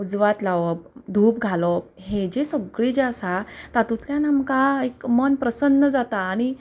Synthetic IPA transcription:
ud͡zʋat̪laʋəp̚d̪ʱuːpɡʱalɔp̚ɦed͡ʑesəɡɭid͡ʑeəsat̪at̪ut̪ljãnamkaekmənpɾəsənːəd͡zat̪aːɽ̃i

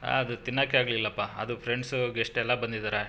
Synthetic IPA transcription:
a̰ːɐd̪ut̪inːaːkeaːɡlilːɐpːaɐd̪upʰɾeɳɖsuɡeʂʈɛlːɐbɐnd̪id̪aːɾe

